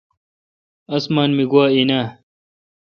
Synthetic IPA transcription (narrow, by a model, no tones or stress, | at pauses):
ɐsmaːnmiɡwaːina